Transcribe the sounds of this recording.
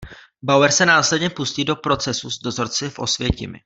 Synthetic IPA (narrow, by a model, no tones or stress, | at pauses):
bawɛɾsɛnaːslɛdɲɛpusciːdo̞pɾo̞t͡sɛsuzdo̞zo̞ɾt͡sɪfʔo̞̰svjɛcɪmɪ̰